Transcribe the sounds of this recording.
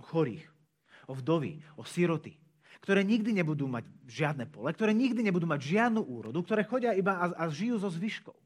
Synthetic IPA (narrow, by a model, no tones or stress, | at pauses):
ɔxɔɾḭːx | ɔvd̪ɔʋḭɔsiɾɔt̪ḭ | kt̪ɔɾɛːɲiɡd̪iɲɛbud̪uːmaɟʒɪad̪nɛpɔlɛk̚t̪ɔɾɛːɲiɡd̪iɲɛbud̪uːmaɟʒɪad̪nuːʔuːɾɔ̰d̪uk̚t̪ɔɾɛːxɔɟɪaibaaaʒijuːzɔzʋiʃkɔ̰ʊ